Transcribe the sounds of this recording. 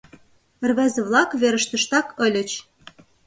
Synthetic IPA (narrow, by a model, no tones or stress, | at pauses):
rβæ̆zɘ̆βlɑkβeɾə̆ʃt̪ə̆ʃt̪ɑkə̆lʲə̆t͡ɕ